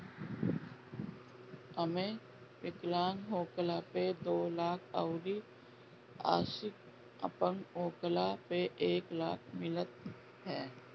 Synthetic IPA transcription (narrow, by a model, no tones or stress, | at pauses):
əmẽ | pɪklaːŋɦoːklaped̪oːlaːkʰə̰ʊɾi | a̰ːsɪk̚ | ə̰pəŋɦoːklapeʔeːklaːkʰmɪlət̪̚ | ɦɛː